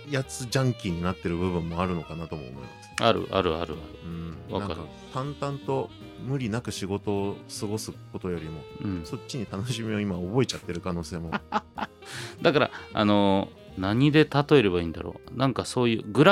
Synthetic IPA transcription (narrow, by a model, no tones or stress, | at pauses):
jat͡sɨd͡ʑãŋkʲiɲ̟inat̪ːe̞ɾɯ̟bɯ̟βɯ̟̃mːo̞aɾɯno̞kanat̪o̞mo̰ːmo̞̰ḭmasɨ̥na̰ɾɯ̟̰ʔa̰ɾɯ̟a̰ɾɯ̟a̰ɾɯ̟ɯ̃βa̰naka̰ɾ | t̪ãnt̪ãnt̪o̞ | mɯ̟ɾʲinakɯ̟ɕiɡo̞t̪o̞ːsɨɡo̞sɨko̞t̪o̞jo̞ɾʲimo̞ɯ̃so̞tt͡ɕːiɲ̟it̪anoɕimʲio̞imaobo̞e̞t͡ɕat̪ːe̞ɾɯ̟kano̞ːse̞ːmo̞ | d̪akaɾa̰a̰no̞ | naɲ̟id̪e̞t̪at̪o̞e̞ɾe̞βaiːnd̪a̰ɾo̰ːnãŋkaso̞ːjɯ̟̰ːɡɯ̟ɾa